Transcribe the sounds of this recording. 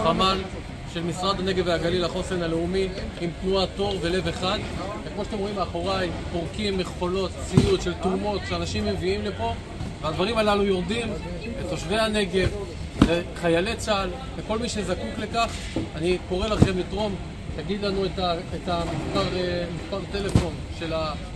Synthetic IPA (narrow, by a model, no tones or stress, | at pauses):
χamal | ʃe̞lmisʁad̪ane̞ɡeveaɡalilaχo̞senale̞umiimt̪nuat̪o̞ʁve̞le̞ve̞χad̪ | vekmoʃat̬emʁo̞imeaχo̞ʁaimpoʁkimːeχχo̞lo̞t̪t͡sijut̪ʃe̞lt̪umo̞t̪ʃeanaʃimːe̞viimlepo̞ | vead̪vaʁimalalujo̞ʁd̪im | et̪o̞ʃve̞hane̞ɡe̞v | eχajale̞t͡sal | veko̞lmiʃe̞zakukle̞kaχ | aniko̞ʁe̞laχe̞mlit̪ʁo̞m | t̪aɡid̪lanuet̪aet̪amispaʁemispaʁt̪e̞le̞fo̞n | ʃe̞la